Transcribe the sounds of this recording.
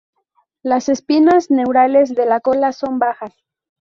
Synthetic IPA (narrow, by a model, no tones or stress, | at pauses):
lase̞spinazne̞wɾale̞zðe̞lako̞laso̞mbaxas